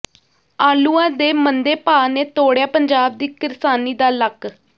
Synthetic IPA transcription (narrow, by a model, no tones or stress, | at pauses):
aːluːãːd̪eːmənd̪eːpaːneːt̪oːɽjaːpəɲd͡ʒaːb̚d̪iːkɪɾsaːniːd̪aːlək